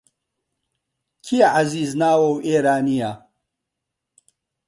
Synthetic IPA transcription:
kʰiaʕaziːznaːwɐweːɾaːnija

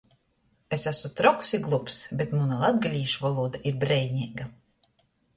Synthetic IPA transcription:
esæsut̪ɾɔksiɡlˠupsbet̪munalˠad̪ɡalʲiːʃvɔlˠuːd̪aʔiɾbɾɛjɲʲiɛːɡa

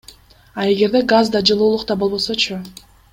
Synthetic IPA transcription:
ɑe̞ɡe̞ɾd̪e̞ɡazd̪ɑd͡ʒɯlˠuːlˠuqt̪ɑbolβbo̞lso̞t͡ʃʰʊ

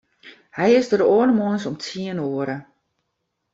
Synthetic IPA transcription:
hɛjɪsdəɾəoːənəmonsɔmtʰiənoːəɾə

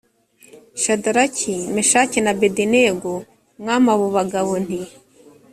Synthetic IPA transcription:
ʃadaɾacʰimeʃacinabedineɡo | mŋamaβuβaɡaβun̥i

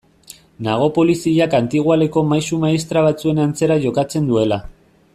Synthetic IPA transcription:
naɣ̞o̞po̞lisiʎakant̪iɣwale̞ko̞majsumaist̪ɾaβ̞at͡sue̞nant͡se̞ɾaʝo̞kat͡se̞nd̪ue̞la

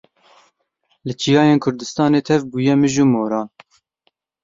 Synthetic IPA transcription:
lɨt͡ʃʰijɑːjeːnkʰʊɾd̪ɨst̪ɑːneːt̪ʰɛvbuːjɛmɨʒuːmoːɾɑːn

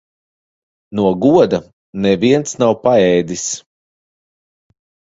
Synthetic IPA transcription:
nuɔɡuɔd̪a | nɛviɛnt̪snawpaɛjd̪is

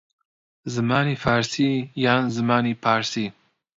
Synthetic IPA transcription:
zɨmaːniːfaːɾsiːjaːnzɨmaːniːpʰaːɾsiː

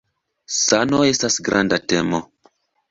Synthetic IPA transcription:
sanoe̞stasɡɾʔandatemo

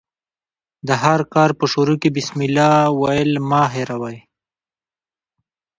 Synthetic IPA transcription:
d̪əɦaɾkɑːɾpəʃuɾukibɪsmilɑwajəlmɑɦeɾawaj

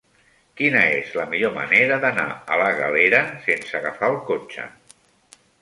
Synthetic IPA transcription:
kinəezləmiʎomə̰neɾəðəna̰ələɣəleɾəsensəɣəfaəlˠkot͡ʃə̰

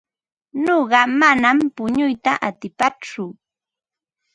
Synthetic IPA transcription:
noɢɑmanampʊɲʊjt̪a̰ʔat̪ɪpat͡ʃʊ

